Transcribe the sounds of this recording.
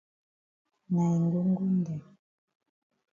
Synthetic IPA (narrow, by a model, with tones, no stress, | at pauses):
na˨ŋɡu˦ŋ˦ɡu˦ndɛ˨